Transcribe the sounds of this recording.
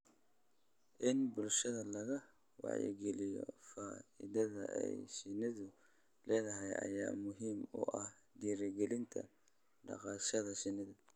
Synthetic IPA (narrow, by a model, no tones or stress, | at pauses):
ʔɪnbʊlʃɐðɐlɐɣɐ | wɑ̰ʕjɛ̰ɡɛlɪjɔ̰faːɪðɐðɐʔɛjsɪnɪðʊ | lɛːðɐɦɛjʔɐ̰jaːmʊɦiːmʊ̰ʔɐh | d̪iːɾɛɡɛlɪnt̪ʰɐ̰ | ɖɑ̰qɑːʃɐðɐsɪnɪðʊ